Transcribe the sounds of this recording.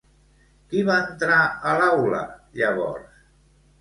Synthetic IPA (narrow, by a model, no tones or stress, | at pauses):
kiβaənt̪ɾaəlawlə̰ʎəβɔ̰ɾs